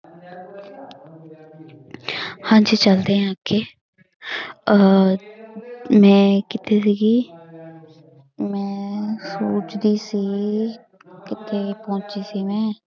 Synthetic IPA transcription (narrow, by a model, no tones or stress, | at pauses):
hãːd͡ʒiːt͡ʃəld̪eːɦãːkeː | mɛ̃ːkɪt̪ʰeːsiːɡiː | mɛ̃ːsuːt͡ʃd̪iːsiː | kɪt̪ʰeːpõːt͡ʃiːsiːmɛ̃ː